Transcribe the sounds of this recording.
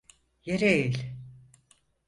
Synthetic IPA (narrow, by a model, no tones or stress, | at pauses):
jeɾeejilʲ